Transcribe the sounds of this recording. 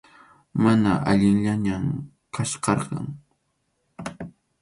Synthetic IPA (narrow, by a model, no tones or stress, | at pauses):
manaʔaʎɪŋʎaɲam | kʰaʃqɑɾqɑ̰ŋ